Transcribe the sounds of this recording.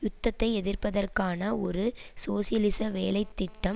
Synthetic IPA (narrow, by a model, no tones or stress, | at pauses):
jʊt̪ːɐt̪ːɐɪɛðɪrpɐðɐrkaːnɐɔɾɯsoːsɪjɐlɪsɐʋeːlɐɪt̪ːɪʈːɐm